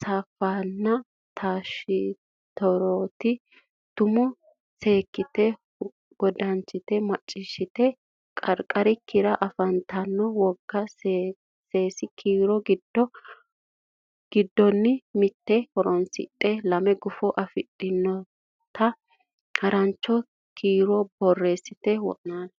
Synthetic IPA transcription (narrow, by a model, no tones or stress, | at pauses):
saːfːaːnːɐ | t̪ʰaːʃɪ | t̪ɔɾoːt̪ɪ | t̪ʊmʊ | se̞ːkːɪt̪ɛ | ɡɔd̪ɐnt͡ʃːɪt̪ɛmɐt͡ʃʼːɪʃːɪt̪ɛ | kʼɐɾkʼɐɾɪkːɪɾɐʔɐfɐnt̪ʰɐnːɔwɔɡːɐs | se̞ːsɪkʰiːɾɔɡɪdɔ | ɡ̥ɪd̪ːɔnːɪmɪt̪ːɛhɔɾɔnsɪ̰tʼːɛlɐmɛɡʊfɔʔɐfɪtʼːɪnːɔ | t̪ɐ | hɐɾɐnt͡ʃːɔ | kʰiːɾɔbɔrːe̞ːsɪt̪ɛwɔ̰ʔnaːn